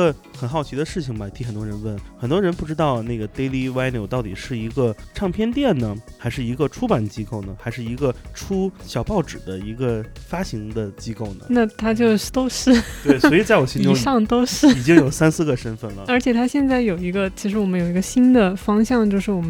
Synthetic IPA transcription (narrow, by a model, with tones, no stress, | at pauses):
ə˧ | xə˨˩nxɑ˥˩ʊt͡ɕʰi˧˥d̪ə˧ʂɻ̩˥˩t͡ɕʰi˩ŋbɐ˧˩t̪ʰi˧˥xə˨˩nt̪wɔ˥ɻə˧˥nwə˥˩nxə˨˩nt̪wɔ˥ɻə˧˥npu˥˩ʈ͡ʂɻ̩˥t̪ɑ˥˧ʊna˥˩ɪɡə˩t̪e˥ɪli˥˧wa˥ɪnjo˨˧ʊt̪ɑ˥˩ʊt̪i˨˩ʂɻ̩˥˩i˧˥ɡə˧ʈ͡ʂʰɑ˥˧ŋpʰjɛ˥nt̪jɛ˥˩nnə˩xa˧˥ɪʂɻ̩˥˩i˧˥ɡə˧ʈ͡ʂʰu˥pa˨˩nət͡ɕi˥ko˥˩ʊnə˩xa˧˥ɪʂɻ̩˥˩i˧˥ɡə˧ʈ͡ʂʰu˥ɕjɑ˨˩ʊpɑ˥˩ʊʈ͡ʂɻ̩˨˩d̪ə˦i˧˥ɡə˧fa˥ɕi˧˥ŋd̪ə˧t͡ɕi˥ko˥˩ʊnə̰˩na˥˩t̪ʰa˥t͡ɕjo˥˧ʊ˩t̪o˥ʊʂɻ̩˥˩t̪wɪsɔ˧˥i˨˩t͡sa˥˩ɪwɔ˨˩ɕi˥inʈ͡ʂʊ˧˥ŋʂɑ˥˧ŋt̪o˥ʊʂɻ̩˥˩i˨˩t͡ɕi˥ŋ˥jo˨˩ʊsa˥nsɹ̩˥˧ɡə˩ʂə˥nfə˥˩nlə˩ə˞˧˥t͡ɕʰjɛ˨˩t̪ʰa˥ɕjɛ˥˧nt͡sa˥˩ɪjo˨˩ʊi˧˥ɡə˧t͡ɕʰi˧˥ʂɻ̩˧˥wɔ˨˩mə˦jo˨˩ʊi˧˥ɡə˧ɕi˥nd̪ə˨fɑ˥ŋɕjɑ˥˧ŋt͡ɕjo˥˧ʊʂɻ̩˥˩wɔ˨˩m˦